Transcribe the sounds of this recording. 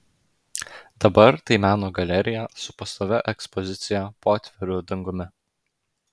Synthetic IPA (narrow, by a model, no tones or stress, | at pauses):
d̪̥ɐbɐɾt̪ɐɪmʲæːnoːɡɐlʲɛɾʲɪjæːsʊpɐst̪oːʋʲɛʔɛkspɔzʲɪt̪sʲɪjæpoːt̪ʲʋʲɛɾʲʊd̪ɐŋɡʊmʲɪ